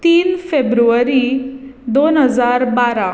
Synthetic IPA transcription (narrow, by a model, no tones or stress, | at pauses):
t̪iːnfebɾuʋəɾid̪onɦəd͡zaɾbaɾa